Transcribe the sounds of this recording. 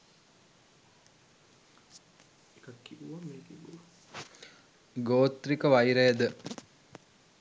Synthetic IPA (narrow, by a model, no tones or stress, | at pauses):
ekɐkːiʋuʋameːt̪iʋuʋa | ɡoːt̪rikəʋajɾəjəd̪ə